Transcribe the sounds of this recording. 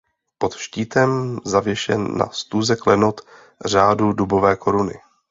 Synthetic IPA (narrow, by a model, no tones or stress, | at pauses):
po̞t̪ʃciːt̪ɛmzavjɛʃɛ̰nːa̰st̪uːzɛklɛno̞t̪ | r̝aːdudubo̞vɛːkʰo̞ɾunɪ̰